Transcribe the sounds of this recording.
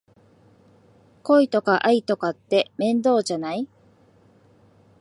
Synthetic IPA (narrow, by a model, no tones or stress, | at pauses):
ko̞it̪o̞kaʔait̪o̞kat̪ːe̞mẽ̞nd̪o̞ːʑanai